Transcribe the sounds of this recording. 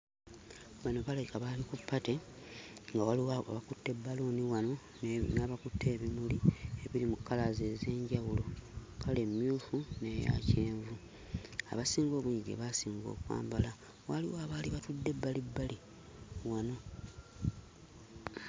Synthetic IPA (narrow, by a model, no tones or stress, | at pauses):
βano̞βalekaβalikupːate̞ | ŋɡawaliwβakutːe̞bːaloːniwano̞ | naːβakutʰːe̞ːβimulieβiɾimukːalaze̞ze̞ːɲɟawulo̞kʰale̞mːjuːfune̞ja̰ce̞ːɱvu | a̰βasiːŋɡo̞ːβuɲiɟḛβasiːŋɡo̞̰ːkwa̰ːmbala | waliwaːβaliβatudːe̞bːalibːali | wano̞